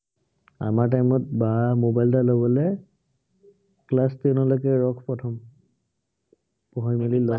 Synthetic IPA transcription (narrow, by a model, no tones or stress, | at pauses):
a̰maɹt̬ajmɔt̚bamobajltalɔbɔlɛ | klastinɔlɔjkɛɹɔkʰpɹɔtʰɔm | pɔɦɔjmalilɔ